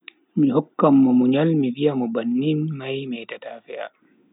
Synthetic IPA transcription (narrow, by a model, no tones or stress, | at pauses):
mihɔkːamːɔmuɲalmiwijamɔbanːinmajmɛːtataːfɛʔa̰